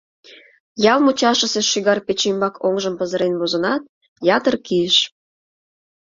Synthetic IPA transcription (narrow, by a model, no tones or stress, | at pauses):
jɑlˠmut͡ɕɑʃəseʃiɣɑrpet͡ɕimbɑkʰoŋʒəmpəzəɾenβozənɑt̪̚ | jɑt̪ərkiəʃ